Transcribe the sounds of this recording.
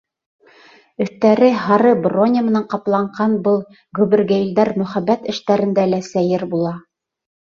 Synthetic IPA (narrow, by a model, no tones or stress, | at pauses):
ɵ̆θt̪æɾɘhɑɾɤbronʲəmɤ̆nɑɴqɑplˠɑɴɢɑnbɤlˠ | ɡɵ̆bɘ̆rɡæld̪æɾmɵ̆χæbæt̪ɘ̆ʃt̪æɾɘ̆nd̪ælæsæjɘɾbulˠɑ